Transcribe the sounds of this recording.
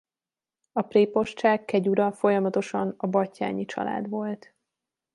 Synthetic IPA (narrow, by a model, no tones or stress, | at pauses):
ɒpreːpo̞ʃt͡ʃaːkːɛɟuɾɒfo̞jɒmɒt̪o̞ʃɒnɒbɒcːa̰ːɲit͡ʃɒ̰la̰ːd̪ʋo̞lt̪